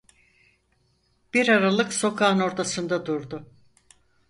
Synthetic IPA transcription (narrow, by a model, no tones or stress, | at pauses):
b̥iɾaɾalˠɯkso̞kʰaːno̞ɾt̪ʰasɯnd̪ad̪uɾd̪ʊ